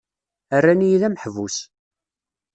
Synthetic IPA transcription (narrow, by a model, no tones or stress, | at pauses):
ərːænijðæmħvus